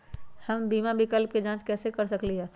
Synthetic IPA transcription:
hɐmbiːmabɪkəlp̚ked͡ʒãːt͡ʃkɛːsekɐɾsɐkliɦɛː

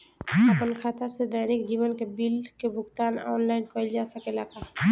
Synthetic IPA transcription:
əpənkʰat̪əsed̪ajɾekd͡ʒibənkebilkebʊɡt̪aːnɔ̰ːnlaɪnkəld͡ʒasəkelaka

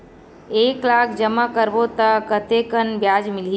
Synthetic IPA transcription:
eːklaːkʰd͡ʒəmakəɾbot̪əkət̪ekənbjaːd͡ʒmɪli

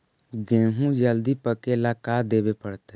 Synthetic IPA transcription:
ɡẽːɦũd͡ʒəld̪ipəkelakad̪eːbepəɽt̪e

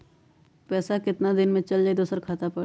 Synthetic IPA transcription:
pɛːsakɪt̪nad̪ɪnmẽt͡ʃəld͡ʒaːid̪oːsəɾkʰaːt̪apə

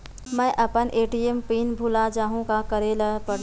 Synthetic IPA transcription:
mə̃jʔəpənʔeːʈiempinbʱulad͡ʒaːɦũkakəɾeləɦpəɽ

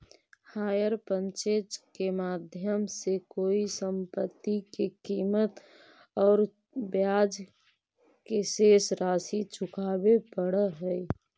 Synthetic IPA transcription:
haːjəɾpə̃nt͡ʃed͡ʒkemaːd̪ʱjəmsekoːisəmpət̪ːikekiːmət̪ | ɔːɾ | bjaːd͡ʒ | keseːsɾaːsit͡ʃʰʊkaːbepəɽəɦɛi

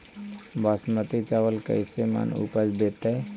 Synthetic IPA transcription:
basmət̪it͡ʃaʋəlkə̰jsema̰nṵpəd͡ʒbet̪əj

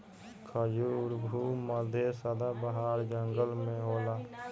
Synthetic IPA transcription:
kʰəd͡ʒuʊɾbʱuməd̪ʱjesəd̪abəɦaːɾd͡ʒəŋɡəlmẽɦoːlaː

